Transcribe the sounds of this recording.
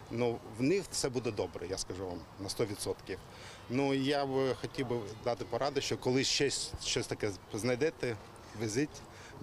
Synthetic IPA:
nuwnɪxtsɛbud̪ɛd̪ɔbɾɛ̰jaskɐʒuʋɑm | nɐst̪ɔʋʲit̪sɔt̪kʲiw | nujabxɔtʲiwbɪd̪ɑt̪ɪpɔɾɑd̪ɪʃt͡ʃɔkɔlˠɪʃt͡ʃɛsʲʃt͡ʃɔsʲt̪ɐkɛznɐjd̪ɛt̪ɛ | ʋɪzʲɪtʲ

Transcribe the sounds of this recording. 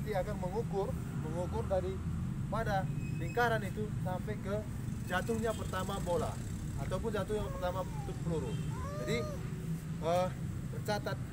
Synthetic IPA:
t̪iakarməŋukʊr | məŋukʊrdaɾipadaliŋkaɾanit̪usampɛjkə | d͡ʒat̪ʊhɲapərt̪amabola̰ | at̪awpʊnd͡ʒat̪ʊhɲapərt̪amat̪ʊk̚pəluɾʊ | d͡ʒadi | ə | pərt͡ʃat̪at̪̚

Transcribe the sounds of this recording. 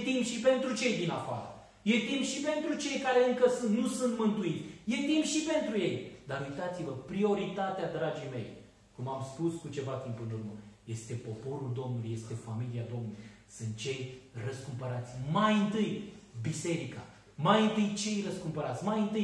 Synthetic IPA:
t̪impʃipe̞nt̪ɾut͡ʃe̞jd̪inafaɾə̰ | je̞t̪impʃipe̞nt̪ɾut͡ʃe̞jkaɾe̞ɨŋkəsɨnt̪nusɨnt̪mɨnt̪uit̪sʲje̞t̪impʃipe̞nt̪ɾuje̞jd̪aɾujt̪at̪sivəpɾio̞ɾit̪at̪ead̪ɾad͡ʒijme̞j | kumamspuskut͡ʃe̞vat̪impɨnurməje̞st̪e̞po̞po̞ɾuld̪o̞mnulujest̪e̞familiad̪o̞mnulujjjjsɨnt̪̚t͡ʃe̞jrəskumpəɾat̪sʲmajɨnt̪ɨjbise̞ɾika | majɨnt̪ɨjt͡ʃe̞jrəskumpəɾat̪sʲmajɨnt̪ɨj

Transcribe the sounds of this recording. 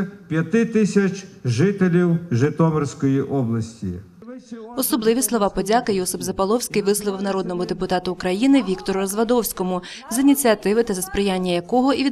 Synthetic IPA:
pʲjɐt̪ɪt̪ɪsʲɐt͡ʃʒɪt̪elʲiwʒɪt̪ɔmersʲkɔjiʔɔblˠɐsʲtʲḭ | ɔsɔblˠɪʋʲislˠɔʋɑpɔdʲakɪjɔsʊpzɐpɐlˠɔwsʲkɪjʋɪslˠɔʋɪwnɐɾɔd̪nɔmʊd̪epʊt̪ɑt̪ʊːkɾɐjinɪʋʲikt̪ɔɾʊɾɐzʋɐd̪ɔwsʲkɔmʊ | zinʲit͡sʲiɐt̪ɪʋɪt̪ɐzɐspɾɪjanʲːɐjɐkɔɦɔiʋʲi

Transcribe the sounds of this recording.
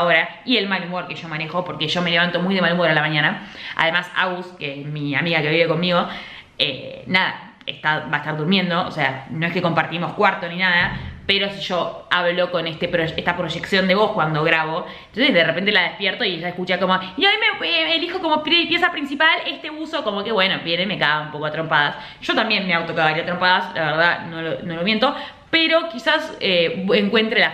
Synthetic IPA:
oɾa | ie̞lmalumoɾke̞ʒ̥o̞mãnexo̞po̞ɾke̞ʒo̞me̞le̞βant̪o̞mujðe̞malumoɾalamaɲãnaa̰ðe̞masa̰ɣuskesmia̰miɣake̞βiβe̞ko̞nmiɣo̞ | ḛnaða̰ | ḛst̪aβaest̪aɾðuɾmje̞nd̪o̞ʔːse̞ano̞eske̞ko̞mpaɾt̪imo̞skwaɾt̪o̞ninaðape̞ɾo̞siʒo̞aβlo̞ko̞nest̪epɾoest̪apɾo̞ʒe̞ksjo̞nd̪e̞βo̞hkwand̪o̞ɣɾaβoent̪onsesðerepe̞nt̪elaðehpjeɾt̪o̞ieʒaekut͡ʃako̞mo̞inoamimeeelixo̞komopɾepjesapɾinsipale̞st̪e̞uso̞ko̞mo̞ke̞βwe̞no̞βje̞nemekaɣaumpo̞ko̞at̪ɾo̞mpaðas | ʒ̥o̞t̪ambje̞nmeawt̪okaβaiɾat̪ɾo̞mpaðasla̰βeɾð̞ano̞lonolomje̞nt̪o̞ | peɾo̞kisaseeŋkwe̞nt̪ɾela

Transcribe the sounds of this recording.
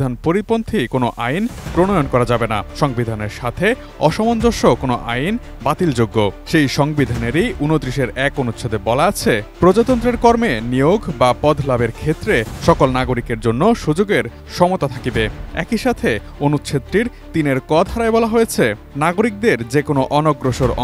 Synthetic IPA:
anpoɾipont̪ʰikonoʔajnpɾoñojonkɔɾad͡ʑabenaʃɔŋbid̪ʱaneɾʃat̪ʰe | ɔʃɔmond͡ʑoʃokonoʔa̰jn | bat̪ild͡ʑoɡːoʃejʃɔŋbid̪ʱaneɾijʔunot̪ɾiʃeɾɛkonut̪ːʃʰod̪ebɔlaat͡ɕʰepɾod͡ʑot̪ɔnt̪ɾeɾkɔɾmenijoɡbapɔd̪ʱlabeɾkʰet̪ːɾeʃɔkolnaɡoɾikeɾd͡ʑonːoʃud͡ʑoɡeɾ | ʃɔmot̪at̪ʰakibeɛ̰kiʃat̪ʰe | onut̪ːɕʰet̪ːɾiɾt̪ineɾkɔt̪ʰaɾaebɔlaɦojet͡ɕʰe | naɡoɾik̚d̪eɾd͡ʑekonoʔɔnoɡɾoʃoɾɔ

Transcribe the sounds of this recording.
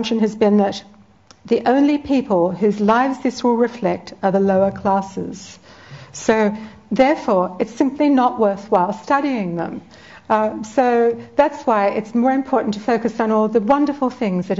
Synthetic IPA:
mʃɨ̃nɨzbɨ̃nðɨt̪̚ | ðiʔõʊ̃nlipʰipʰəl̩ˠhʉzlaɪvzdɪswəlˠɹɨflɛk̚tə˞ðəloʊə˞kʰl̥æsɪ̰z̥ | soʊ | ðɛɹfɔɹɨtsɪ̃mpʰlinəʔ̚wɜ˞θwaɪlˠstʌɾiɪ̃ŋðə̰̃m | soʊðætswaɪʔɨtsmɔɹɨ̃mpʰɔɹʔn̩tʰɨfoʊkɨsn̩ɔlˠðɨwʌ̃ndə˞fl̩ˠθɪ̃ŋzðɨɾ

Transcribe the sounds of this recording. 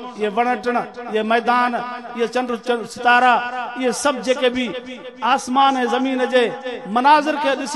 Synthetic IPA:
ɪeʋəɽəʈəɳɪɦemɛːd̪aːnɪet͡ʃənɖɾsɪt̪aːɾaːɪɦesəb̚d͡ʒeːkeːbʱiː | aːsmaːnɦẽːzɐmiːnd͡ʒeːmɐnaːzɪɾkʰeːɗɪs

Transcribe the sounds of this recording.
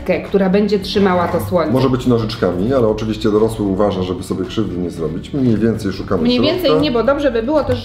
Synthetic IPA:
kɛkt̪uɾabɛɲd͡ʑɛtʂɘmawat̪ɔswɔɲmɔʐɛbɘt͡ɕnɔʐɘt͡ʂkamʲialɛɔt͡ʂɘvʲiɕt͡ɕɛd̪ɔɾɔswɘuvaʐaʐɛbɘsɔbʲjɛkʂɘvd̪ɘɲɛzɾɔbʲit͡ɕmɲejvʲjɛnt̪sɛjʂukanɛmɲejvʲjɛnt̪sɛjɲɛbɔd̪ɔbʐɛbɘbɘwɔt̪ɛʂ

